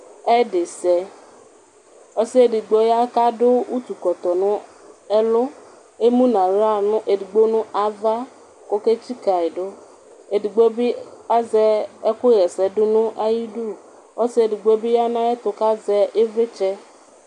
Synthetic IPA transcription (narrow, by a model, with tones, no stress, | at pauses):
ɛ˦ɖɪ˨sɛ˨ | ɔ˦si˦e˨di˨ɡ͡bo˦ja˦ka˦ɖʊ˦u˦t̪u˨kɔ˨t̪ɔ˨nʊ̃˦e˦lʊ˦ | e˦mũ˦nã˨ɾa˦˨nʊ̃˦ʔe˨di˨ɡ͡bo˦nʊ̃˦ʔa˨va˦ | ko˦ke˦t͡ʃi˦ka˨e˨ɖʊ˦ | e˨di˨ɡ͡bo˦bi˦a˦zɛ˦e˦kʊ˦ɣɛ˨sɛ˨ɖʊ˦nʊ̃˦ʔa˦ji˦ɖu˦˨ | o˦si˦e˨di˨ɡ͡bo˦bi˦ja˦nã˦e˦t̪ʊ˨ka˦zɛ˦e˦ve˦t͡ʃɛ˦